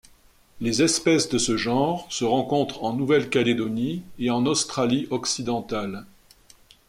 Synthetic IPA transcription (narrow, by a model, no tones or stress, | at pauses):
lezɛspɛsd̪əsəʒɑ̃ʁsəʁɑ̃kɔ̃t̪χɑ̃nuvɛlkʲaled̪ɔnieɑ̃nɔst̪χaliɔksid̪ɑ̃t̪al